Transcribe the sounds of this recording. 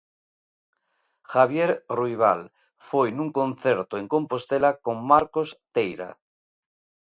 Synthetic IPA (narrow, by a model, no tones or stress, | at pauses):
xaβ̞jeɾrujβ̞a̰l | fojnũŋkõ̞nθeɾt̪oeŋkõ̞mpo̞st̪elako̞mmaɾkost̪ejɾa̰